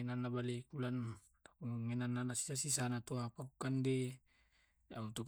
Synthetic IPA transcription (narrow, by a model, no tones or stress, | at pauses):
ɛnanːabalekulan | uŋɛnanːalasi̥sasis̬anat̪uɦapaukːandɛ | aunt̪uk